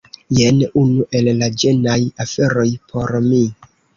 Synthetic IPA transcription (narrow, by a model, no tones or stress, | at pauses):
jenunuʔe̞lːad͡ʒenajafe̞ɾo̞jpʰo̞ɾmi